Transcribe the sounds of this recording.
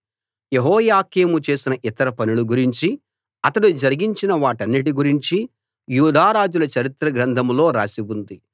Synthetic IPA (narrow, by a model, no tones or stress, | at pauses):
jeɦɔːjaːkeːmut͡ʃe̞ːsinɐʔit̪ɐɾɐpɐnuluɡuɾiɲt͡ʃi | ɐt̪ɐɽud͡ʒɐɾiɡiɲt͡ʃinɐʋaːʈɐnːiʈiɡuɾiɲt͡ʃi | juːd̪ʱaːɾaːd͡ʒulɐt͡ʃɐɾit̪ɾɐɡɾɐnd̪ʱɐmlo̞ːɾaːsibund̪i